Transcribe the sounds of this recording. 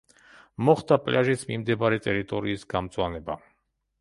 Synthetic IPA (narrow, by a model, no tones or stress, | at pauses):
mɔχt̪ʰapʼlaʒisʰmimd̪ɛbaɾɛt̪ʼɛɾit̪ʼɔɾiːsɡamt̪zʼwanɛba